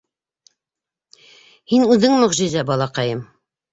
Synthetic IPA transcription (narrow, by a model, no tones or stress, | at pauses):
hinʉðɘŋmɵ̆ʁʒɘ̆zæbɑlˠɑqɑjɤm